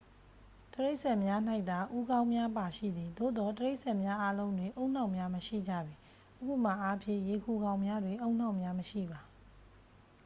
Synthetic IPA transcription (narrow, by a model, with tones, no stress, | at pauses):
təɹe˦ɪʔsɛ˦˨mja˦n̥a˦ɪʔt̪t̪a˨ʔu˦ɡã˦ʊ̃mja˦pa˨ʃḭ˦˨d̪ði˨d̪o̰˦˨d̪ɔ˦təɹe˦ɪʔsɛ˦˨mja˦ʔa˦lõ˦ʊ̃ndwɪ̃˨ʔo˦ʊ̃n̥ã˦˨ʊ̃˨mja˦məʃḭ˦˨d͡ʑä̰˦˨bi˨ | ʔəɡu˦˨m̥a˨ʔa˦pʰjɪ̰̃˦˨je˨kʰu˨ɡã˦ʊ̃mja˦dwɪ̃˨ʔõ˦ʊ̃n̥ã˦ʊ̃mja˦məʃḭ˦˨ba˨